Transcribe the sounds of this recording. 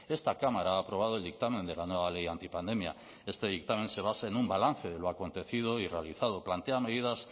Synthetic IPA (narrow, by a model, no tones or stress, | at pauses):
e̞st̪akamaɾaaːpɾo̞β̞að̞oe̞ld̪ik̚t̪amẽ̞nd̪e̞lanwe̞β̞alejant̪ipand̪e̞mja̰ | e̞st̪e̞ðik̚t̪amẽ̞nse̞β̞asaenumbalanθe̞ð̞e̞lo̞ako̞nt̪e̞θið̞o̞irealiθað̞o̞plant̪e̞ame̞ðiðas